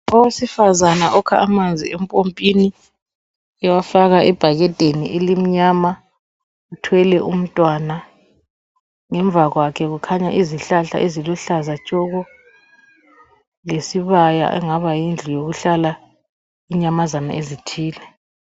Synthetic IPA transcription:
ɔwesifazanaʔɔkʰaʔːmand͡zʱḭɛmpʼompʼini | ɛwafaɣaʔɛb̥ʱaɣɛtʼeniʔelim̩ɲama | utʰwɛlɛʔum̩tʼwana | ŋɛɱb̪vʱaɣwakʰɛɣukʰaɲaʔiziɬaɬa̰ʔezilɔɬazat͡ʃʼɔɣɔ | lesiβaja̰ʔɛ̰ŋaβajind͡ɮʱijoɣuɬala | iɲamazana̰ʔezitʰiːlɛ

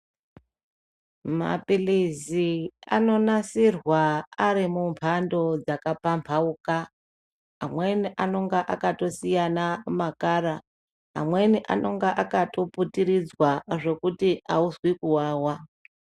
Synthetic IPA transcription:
ma̰pilizia̰no̞nasirwaaɾimumpʰando̞d͡zakapampʰauːka | a̰mwe̞niʔano̞ŋɡaʔakato̞sijanamakaːɾa | a̰mwe̞niʔa̰nʔo̞ŋɡeʔakato̞putiɾid͡zwaʐe̞kutiauzwikuwaːwa

